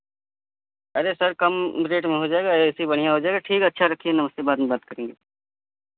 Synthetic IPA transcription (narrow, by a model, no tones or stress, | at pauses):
ɐɾesɐɾkɐmɾeːʈmẽɦod͡ʒaːeɡaɾeɪsibɐɽ̤ijaɦod͡ʒaːeːɡaʈʰiːkɐtːʃʰaɾɐkʰiɛnɐməst̪ebaːt̪mẽbaːt̪̚kɐɾẽːŋɡeː